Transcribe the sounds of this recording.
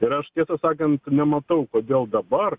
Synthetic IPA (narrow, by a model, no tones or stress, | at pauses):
ɪɾɐʃt̪ʲiɛsɐsɑːkɐnt̪nʲɛmɐt̪ɐʊkoːd̪ʲeːlˠd̪ɐbɐr